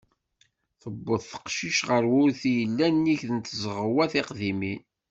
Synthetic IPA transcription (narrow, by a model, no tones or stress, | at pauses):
θəbːəðˤθə̥qʃiʃʁəɾwʊɾθijəlːænːiçðənt̪zʁəwæθɪqðimin